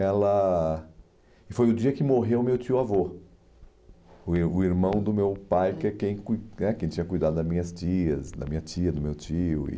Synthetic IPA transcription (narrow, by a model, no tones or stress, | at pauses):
ɛlɐ | ɪfojʊd͡ʒiɐkɪmoɦewmewt͡ʃiʊavo | ʊʊiɾmɐ̃w̃d̪ʊmewpajkɛkẽj̃kunɛkẽj̃t͡ʃĩɲɐkujd̪ad̪ʊd̪ɐmĩɲɐst͡ʃiɐsd̪ɐ̰mĩɲɐt͡ʃiɐd̪ʊmewt͡ʃiʊɪ̰